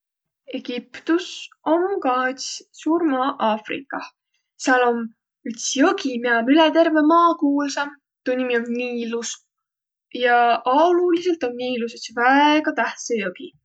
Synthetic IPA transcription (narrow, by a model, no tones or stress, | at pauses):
e̞ɡ̥ipt̪us | omkɑt̪ssuːɾmɑːʔɑːfrḭkːˑɑ | seɑlom | yt̪sjɤɡimiɑmylet̪e̞rve̞mɑːkuːlsɑm | t̪unʲːimionniːlus | jɑʔɑlulise̞lt̪o̞nːiːlusesvæeɡ̥ɑt̪æht̪sejoɡ̥i